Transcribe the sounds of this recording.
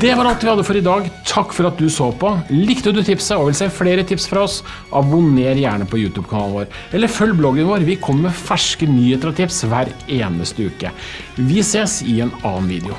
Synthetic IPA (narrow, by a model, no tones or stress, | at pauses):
d̪̥ɛʋɑɾɑlt̪ʋɪhɑd̪ːəfɔɾɪd̪ɑːɡt̪ʰɑkːfɔɾɑt̪̚d̪ʉsoːpɔlɪkt̪əd̪ʉt̪ʰɪpsəɔʋɪlseːfleːɾət̪ʰɪpsfɾɑɔs | ʔɑbʊneːɾjæːɳəpʰɔjʉːt̪ʰʉːb̚kʰɑnɑːlnʋoːɾ | ɛlːəɾfœljblɔɡənʋoːɾʋɪkʰɔmːɛfæʂkənyːət̪əɾɑt̪ʰɪpsʋæːɾeːnəst̪əʉ̰ːkə̰ | ʋɪseːsɪɛnɑ̰ːnʋḭːd̪ɪʊ